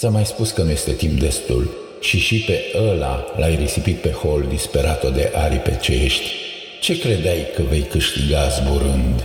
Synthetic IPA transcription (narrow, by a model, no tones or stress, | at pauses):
samajspuskənuje̞st̪e̞t̪impd̪e̞st̪ṵl | ʃiʃipe̞əla̰lajrisipit̪̚pe̞ho̞ld̪ispe̞ɾat̪od̪e̞ʔaɾipe̞̰t͡ʃeʃt̪ʲ | t͡ʃe̞kɾed̪ajkəve̞jkɨʃt̪iɡazbuɾɨnd̪